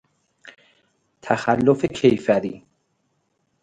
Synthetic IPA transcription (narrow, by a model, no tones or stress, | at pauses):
t̪ʰæxælːofe̞cʰejfæɾiː